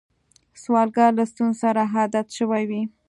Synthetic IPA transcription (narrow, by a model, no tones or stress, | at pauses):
swɑlɡɑɾlast̪unzsaɾaɦɑd̪at̪ʃəwajwi